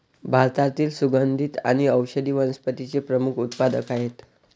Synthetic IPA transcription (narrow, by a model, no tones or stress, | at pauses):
bʱaɾt̪at̪iːlsuɡənd̪ʱit̪a̰ɽ̃iəwɕəd̪iːʋənəspət̪it͡sepɾəmukʰut̪pad̪əkaɦet̪